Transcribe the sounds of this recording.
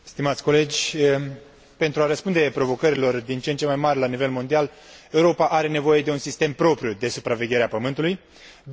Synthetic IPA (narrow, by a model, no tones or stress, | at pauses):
st̪imat̪sʲko̞le̞d͡ʒʲ | pe̞nt̪ɾuaɾəspund̪e̞pɾo̞vo̞kəɾilo̞rd̪int͡ʃent͡ʃemajmarʲlanive̞lmo̞nd̪ial | e̞uɾo̞paʔaɾe̞ne̞vo̞je̞d̪e̞unsist̪e̞mpɾo̞pɾʲjud̪e̞supɾave̞ɡʲje̞ɾeapəmɨnt̪uluj